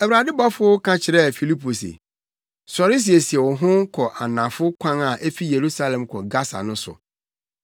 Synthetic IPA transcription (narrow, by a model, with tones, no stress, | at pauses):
æ˨wɾa˨dɪ˦ba˦fʊ˦kʰã˦t͡ɕʰɪ˨ɾɛ˦˨fi˨li˦pʰo˨sḛ˨ | sɔ˨ɾɪ˦s̬i˨e˨si˨ɛ˨wɔ˨ɦʊ̃˦kʰɔ˨ʔa˨nã˨fʊ˦kʷʰã˦ŋa˨ʔe˦fi˦je˨ɾu˦sa˦lɛ̃˨mkʰɔ˨ɡa˦sa̰˨nʊ̃˦sʊ̰˨